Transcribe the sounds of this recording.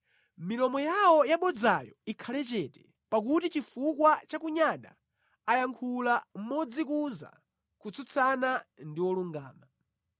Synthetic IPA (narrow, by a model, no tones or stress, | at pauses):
milɔmɔjawɔjaɓɔd͡zajɔ̰ikʰalɛt͡ʃɛtɛ | pak̬utit͡ʃifukwat͡ʃakuɲaɗa̰ | ajaŋkʰulam̩mɔd͡zikuza̰ | kut͡sʰut͡sʰanandiwɔluŋɡaːma